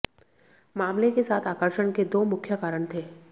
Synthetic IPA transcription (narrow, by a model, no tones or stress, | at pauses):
maːmlekesaːt̪ʰaːkəɾʃəɽ̃ked̪oːmʊkʰjəkaːɾəɽ̃t̪ʰeː